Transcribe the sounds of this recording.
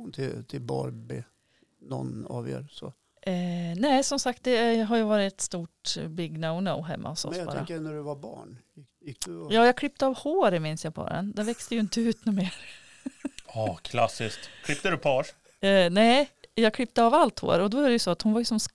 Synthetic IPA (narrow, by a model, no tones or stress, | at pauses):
ʊnt̪ʰɪt̪ʰɪlbɑ̰ɾbḛ | nɔ̰nɑ̰ːvjœ̰ːɾsɔ̰ | nɛːsɔmsak̚t̪̚d̪ɛɦaɾjɵvɑːɾɪt̪st̪uːʈbɪɡnaʊna̰ʊɦɛ̰mːʔa̰ɔsɔ̰sbɑ̰ːɾa̰knæɖɵvabɑ̰ːɳ | ɪjɑːjɑːkʰlɪp̚ːt̪əavhoːɾəmɪnsjɑpʰɑ̰ːɾə̰nd̪ɛvɛkst̪əjɵɪnt̪əʉ̟ːt̪nʉːmeːɾ | ɑːkʰlasːɪsktt̪kʰlɪp̚t̪ədɵpʰɑːɾ | nɛːjɑkʰɽʏp̚ːt̪əɑvalt̪ho̰ːɾɔd̪ɔæɾɛjʉsɔat̪hʊnvajɵsɔms